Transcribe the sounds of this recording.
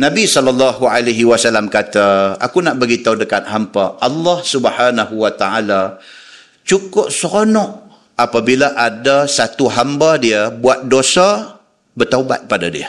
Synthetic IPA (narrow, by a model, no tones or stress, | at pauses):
nãbisɔlalːaɦualaɦiwasalamkat̪aa̰kunaʔbəɡit̪audəkat̪̚ɦampaʔɑlːɑhsubhanaɦuwat̪aala | t͡ʃukʊp̚səɾonɔʔ | apabilaʔadasat̪uɦambadiəbuat̪̚dosa | bərt̪auba̰t̪̚padadḭə